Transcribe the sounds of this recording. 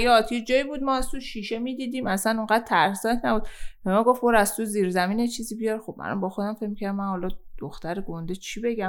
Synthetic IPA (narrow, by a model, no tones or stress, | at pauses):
jɒːd̪jed͡ʒɒːibuːd̪̚mɒːæzt̪ʰuʃiːʃe̞miːd̪iːd̪iːmæsænoŋɢæd̪̥̚t̪ʰæɾsɒt̪ʰnæbuːd̪̚b̥emɒːɡo̞fboɾæzt̪ʰuziːɾzæmiːnet͡ʃʰiːziːbijɒɾxob̥ʔæ̰lɒ̰mbɒːxod̪æmfecʲmicʰæɾd̪mænhɒːlɒd̪̥oxt̪æɾeɡond̪et͡ʃʰibe̞ɟæ